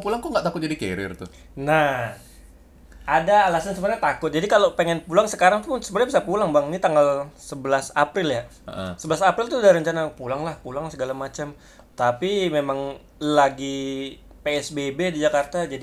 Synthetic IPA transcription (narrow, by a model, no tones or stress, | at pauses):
pulaŋt̪uŋɡaʔt̪akʊt̪̚d͡ʒadikḛɾɪ̰rt̪ʊ | na | adaːlasansəpərɲat̪akʊt̪̚d͡ʒadikalopeŋɛnpulaŋsəkaɾaŋpʊnsəpərɲabisapulaŋbaŋnit̪aŋɡalsəbəlasapɾɪlja | ə̰ʔsəbəlasapɾɪlt̪udaɾəɲt͡ʃanapulaŋlahpulaŋsəɡalamat͡ʃam | t̪apimemaŋ | laɡi | peɛsbebedid͡ʒakart̪ad͡ʒadi